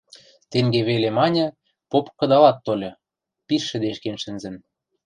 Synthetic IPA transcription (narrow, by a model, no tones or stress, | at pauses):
t̪eŋɡeβelemɑnʲɤ̆ | popkɤ̆d̪ɑlɑt̪ːolʲɤ̆ | piʃːɘ̆d̪eʃkenʃɘ̆nzɘ̆n